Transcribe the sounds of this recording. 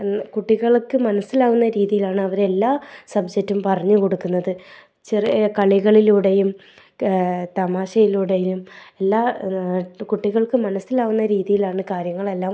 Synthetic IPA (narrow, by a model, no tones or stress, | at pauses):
kuʈːiɣɐɭkːɨmɐnɐsilaːɣunːɐɾiːðijilaːɳɨɐʋɐɾe̞lːaːsɐbd͡ʑek̚tːumpɐrɐɲːɨko̞ɽukːunːɐðɨ | t͡ɕirkɐɭiɣɐɭiluɽejum | t̪ɐmaːɕɐjiluɽejilume̞lːaː | kuʈːiɣɐɭkɨmɐnɐsilaːɣunːɐɾiːðijilaːɳɨkaːɾjɐŋːɐɭe̞lːaːm